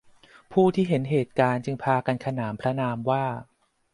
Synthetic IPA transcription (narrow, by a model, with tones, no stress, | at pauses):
pʰuː˥˩t̪ʰiː˥˩ɦe˩˦nɦeː˨˩t̪̚kaː˧nt͡ɕɯ˧ŋpʰaː˧ka˧nkʰa˧naː˩˦mpʰɾa˦˥naː˧mwaː˥˩